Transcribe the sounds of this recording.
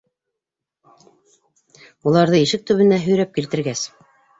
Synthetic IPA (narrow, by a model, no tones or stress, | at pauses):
ulˠɑɾðɤiʃɘk̚t̪ɵ̆βɘ̆næɦɵ̆jɾæp̚kilt̪ɘ̆ɾɡæs